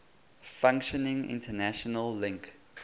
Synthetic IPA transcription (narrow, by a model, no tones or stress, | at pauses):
fãŋkʃɔnɪ̃ŋɪ̰̃ntʰənæʃɔnəlːɪ̃ŋk